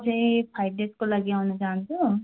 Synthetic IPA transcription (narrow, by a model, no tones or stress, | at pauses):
d͡ʒepʰaːɪɖeskoləɡjaɦoːnad͡ʒaːnd̪oː